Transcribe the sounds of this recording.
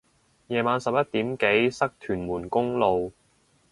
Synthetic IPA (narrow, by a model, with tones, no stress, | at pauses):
jɛː˨maː˨˧nsɐ˨p̚jɐ˥t̪iː˨˥mke˨˥jsɐ˥k̚t̪ʰyː˨˩nmuː˨˩nkʊ˥ŋlo˨˧w